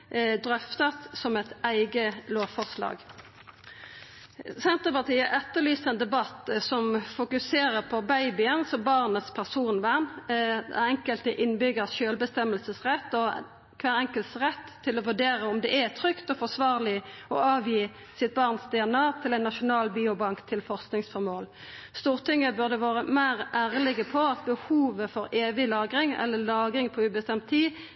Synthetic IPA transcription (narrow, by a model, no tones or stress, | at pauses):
d̪ɾœft̪ɑt̪sɔmɛt̪æɪɡəloːʋfɔʁslɑ̰ːɡ | sɛnt̪əpɑʁt̪ʰiːəʔɛt̪ːəʁlyːsəɛnd̪ɛbɑt̪sɔmfʊkʉseːɾəpʰɔbæɪbɪənsɔmbɑʁnət̪spʰæʁsuːnʋænæ̰ɛŋkəlt̪əʔɪnbʏɡəsʃøːlbəst̪ɛməlsəsʁɛt̪ːɔ | kʰʋæːʁɛŋkəlt̪sʁɛt̪ʰːɪlɔʋʉɖeːʁəɔmd̪ɛʔæt̪ʰɾʏkt̪ɔfɔsʋɑːʁlɪɔ̰ɑːʋjiː | sɪt̪̚bɑʁnsd̪ɪɛnɑːt̪ʰɪlɛɪnːɑʃʊnɑːlbiːʊbɑŋkt̪ʰɪlfɔʁsknɪŋsfɔʁmoːl | st̪uːʁt̪ʰɪŋːəbʉʁd̪əʋɑːʁəmæɪʁʔæːʁlɪɡəpʰɔɑt̪̚bəhuːʋəfɔɾeːʋɪlɑːɡɾɪŋɛ̰lːəlɑːɡʁɪŋpʰɔʉːbəst̪ɛmt̪ʰtʰːiː